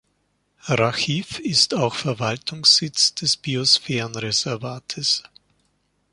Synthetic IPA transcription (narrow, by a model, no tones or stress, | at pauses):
ʁaxiːfɪstaʊxfɛɐvaltʰʊŋsz̥ɪt͡sd̥ɛsb̥iosfɛːʁənʁezɛɐvaːtʰəs